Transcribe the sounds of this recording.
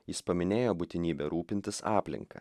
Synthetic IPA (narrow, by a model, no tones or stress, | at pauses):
jɪspɐmʲɪnʲeːjoːbʊt̪ʲɪnʲiːbʲɛɾuːpʲɪnʲt̪ʲɪsɑːpʲlʲɪ̰ŋkɐ̰